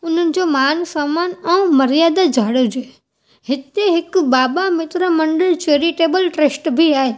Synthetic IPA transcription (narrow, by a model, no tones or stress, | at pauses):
ʊn̤ənɪ̆d͡ʑoːmaːnsaːmaːnɛ̃ũmɐɾijaːd̪ad͡ʑʱaːɽəd͡ʑoː | ɦɪt̪eɦɪkbaːbamɪt̪ɾamɐ̃ɳɖəlt͡ɕeːɾiʈeːbəlʈeːsʈbʱiaːɦeː